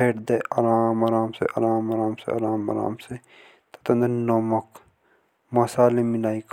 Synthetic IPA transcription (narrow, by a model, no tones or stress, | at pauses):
eːʈd̪eːɐɾaːmaɾaːmsḛʔɐ̰ɾaːmaɾaːmsḛɐ̰ɾaːmɐ̰ɾa̰ːmse | t̪ɐ̥t̪ɐnd̪ɐɾnoːmɐk | mɐsaːlemilaːik